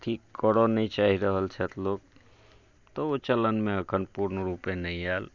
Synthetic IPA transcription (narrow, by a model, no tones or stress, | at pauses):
t̪ʰikːəɽɔnəit͡ʃaɦiɾəɦəlt͡ʃʰɛt̪ʰloɡ | t̪ɔot͡ʃələnmẽəkʰənpuɾnəɾupẽnəĩal